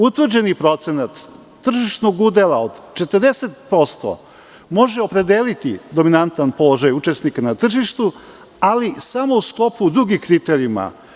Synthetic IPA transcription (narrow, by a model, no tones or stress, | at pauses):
ut̪ʋr̩d͡ʑe̞nipɾo̞t̪se̞nat̪ː | r̩ʒiʃnoɡud̪elˠaod̪t͡ʃet̪əɾd̪e̞set̪po̞st̪o̰ | mo̞ʒeo̞pɾe̞d̪elit̪ḭd̪o̞minant̪anpo̞lˠo̞ʒajut͡ʃe̞snikanat̪r̩ʒiʃt̪u | alisamo̞usklˠo̞pud̪ɾuɡikɾit̪eɾima̰